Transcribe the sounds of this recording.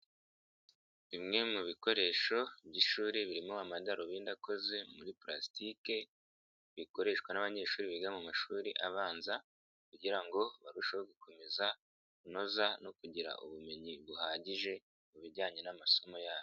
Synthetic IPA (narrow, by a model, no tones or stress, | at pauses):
βimŋe̞muβiko̞ɾe̞ːʃo̞bɟiʃuːɾiβiɾimoamadaɾoβiːndako̞ze̞muɾipɾasi̥tike̞ | βiko̞ɾe̞ʃkwanaβaɲe̞ːʃuːɾiβiɡamomaʃuːɾiʔaβaːnza | kuɟiɾaŋɡo̞βaɾuʃaβaɡukʰo̞me̞za | kuno̞zano̞kuɟiɾa̰ʔṵβume̞ɲiβuhaːɟiʒe̞ | muβiɟaːɲe̞namaso̞mo̞jaːβo